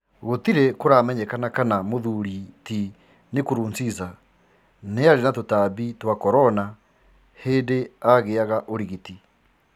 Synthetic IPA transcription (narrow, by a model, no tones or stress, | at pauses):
ɣot̪iɾekoɾaːmɛɲɛkanakanamoðuɾiti | nekoɾuːnsiza | neaɾenatotaːβitwakɔɾɔna | heːdeaɣeaɣaʔoɾiɣiti